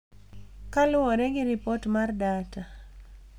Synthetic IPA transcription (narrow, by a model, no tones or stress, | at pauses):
kalʊoɾɛɡɪɾɪpɔtmardata